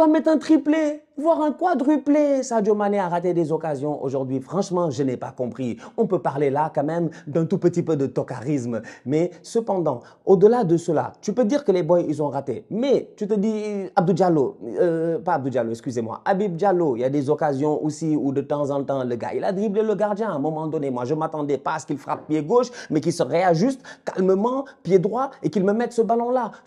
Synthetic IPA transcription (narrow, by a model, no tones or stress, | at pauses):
samɛt̪ɛ̃t̪χiple | vwaʁɛ̃kwad̪ʁyplesad͡ʒomaneaʁat̪ed̪ezɔkazjɔ̃ʔo̰ʒuʁd̪ɥifχɑ̃ʃmɑ̃ʒənɛpa̰kɔ̃pχiɔ̃pøpaʁlelakɑ̃mɛmd̪ɛ̃t̪upət̪ipød̪ət̪ɔkaʁismmɛsəpɑ̃d̪ɑ̃ | od̪əlad̪əsəla̰t̪ypød̪iʁkəlebɔjilzɔ̃ʁat̪ḛmɛt̪yt̪əd̪iab̚d̪uld͡ʒalo | paːb̚d̪uld͡ʒaloɛkskyzemwa̰ʔabib̚d͡ʒaloiljad̪ezɔkazjɔ̃ʔosiud̪ət̪ɑ̃zɑ̃t̪ɑ̃ləɡa̰ʔilad̪ʁibleləɡaʁd̪jɛ̃ɛ̃mɔmɑ̃d̪ɔnemwaʒəmat̪ɑ̃d̪ɛpasə̥kilfʁa̰p̚pːjeɡoʃmɛk̬isəʁeaʒyst̪kalməmɑ̃pjed̪ʁwaekilməmɛt̪səbalɔ̃la